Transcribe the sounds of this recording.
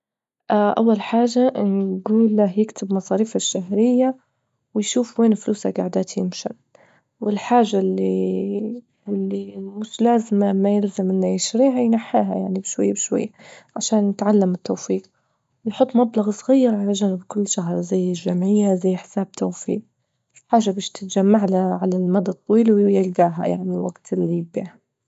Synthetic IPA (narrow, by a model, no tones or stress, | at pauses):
ʔaʔa̰wːalħaːʒanɡuːlːahjɪkt̪ʰɪbmɑsˤɑːɾiːfaʃːaɦɾɪjːa | wɪjʃuːfweːnfluːsa̰ɡaʕd̪aːt̪ʰjɪmʃa̰n | wɪlħaːʒːalːi | lːimʊʃlaːzɪmamajɪlzɪmʔɪnːajɪʃɾiːɦajnaħːaːɦa̰jaʕnibɪʃwajːabɪʃwa̰jːaʕaʃaːnjɪt̪ʕalːamɪt̪ːowfiːq | wjħʊt̪ˤːmablɑɣsˤɣijːɪɾʕalaʒanɪbkʊlːʃaɦɾˤzajːɪʒamʕɪjːazajːħɪ̥saːb̚t̪ʰowfḭːq̚ | ħaːʒːabeːʃt̪ɪt̪d͡ʒamːaʕlaʕalalmad̪ɑt̪ˤːɑwiːlwjɪlɡaːɦa̰ja̰ʕnilwaɡt̪ɪlːiɪbḭːha